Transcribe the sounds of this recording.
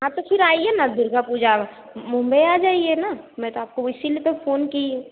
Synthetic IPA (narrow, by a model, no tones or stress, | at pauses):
ɦãt̪opʰɪɾaːiɛnad̪ʱɪɾɡapuːd͡ʒa | mʊ̃mbəjaːd͡ʒaːienamɛ̃t̪oaːp̚koɪsilipefʰoːnkĩ